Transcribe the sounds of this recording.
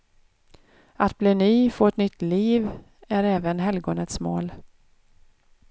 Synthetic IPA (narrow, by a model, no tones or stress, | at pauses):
at̪bliːnyːfoːɛt̪nʏt̪ːliːv | æɾɛːvənɦɛlɡoːnət̪smo̰ːl